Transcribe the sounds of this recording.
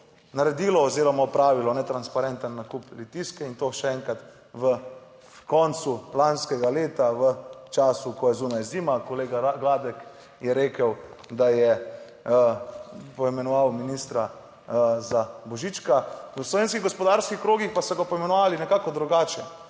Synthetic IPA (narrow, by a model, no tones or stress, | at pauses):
naɾɛd̪iːlɔɔzeːɾɔmɔpɾaːʋilɔnɛt̪ɾanspaɾɛnt̪ənːakuplit̪iskɛint̪oːʃɛɛŋkat̪ | ʋə | kɔnt̪sulanskɛɡaleːt̪aʋət͡ʃaːsukɔjɛzuːnajzimakɔleːɡaɡlaːd̪ɛk | jɛɾeːkəw | d̪ajɛ | pɔimɛnɔʋawminist̪ɾa | zabɔʒit͡ʃkaəslɔʋeːnskiɣɡɔspɔd̪aɾskixkɾoːɡixpasɔɡɔpɔimɛnɔʋaːlinɛkaːkɔd̪ɾuɡaːt͡ʃɛ